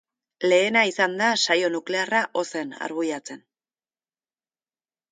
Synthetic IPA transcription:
le̞ːnaisand̪asajo̞nukle̞araʔo̞se̞na̰ɾɣuʎat͡se̞n

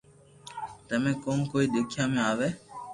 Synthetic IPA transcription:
t̪əmẽːkoːnkoːiːd̪ʊkʰjãːmẽaːʋeː

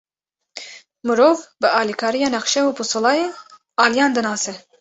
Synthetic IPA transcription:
mɨɾoːvbɨɑːlikʰɑːɾijɑːnɛxʃɛwuːpusɨlˠɑːje | ɑːlijɑːnd̪ɨnɑːsɛ

